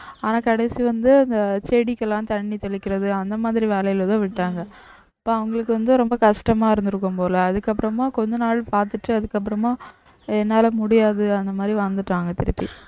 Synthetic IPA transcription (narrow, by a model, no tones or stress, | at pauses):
aːnaːkɐɽɛsiʋɐnd̪ɯɐnd̪ɐt͡ʃeɽɪkːɛlːãːt̪ɐɳːit̪ɔɭɪkʲːɪɾɐðɯɐnd̪ɐmaːðɪɾiʋeːlɐjɪlɐt̪ãːʋɪʈːaːŋɡɐ | ɐpːoːɐʋɐŋɡɐɭɯkːɯʋɐnd̪ɯɾɔmbɐkɐʂʈɐmaːɪɾɯnd̪ɯɾɯkːɯmpoːlɐɐðɯkːɐpːɯɾɐmaːkɔɲd͡ʒɐnaːɭpaːɾt̪ɯʈːɯɐðɯkːɐpːɾɐmaː | ɛnːaːlɐmʊɽɪjaːðɯɐnd̪ɐmaːd̪ɾiʋaːnd̪ɯʈːaːŋɡɐt̪ɪɾɯpːḭ